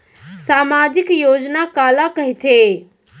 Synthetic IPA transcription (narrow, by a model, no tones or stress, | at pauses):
saːmaːd͡ʒɪkjoːd͡ʒnakaːlakəɦit̪ʰe